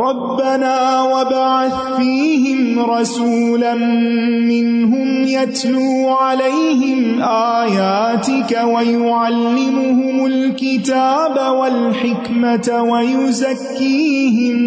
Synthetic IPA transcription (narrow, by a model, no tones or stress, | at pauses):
ɾˤɑbːanaːwabaʕaθ | fiːɦɪmɾˤɑsuːlanː | ɪnɦʊmjat̪luːʕalajhɪmʔaːjaːt̪ɪkawajʊʕalːɪmʊhʊmʊlkɪt̪aːbawalħɪkmatwajʊzakːiːɦɪm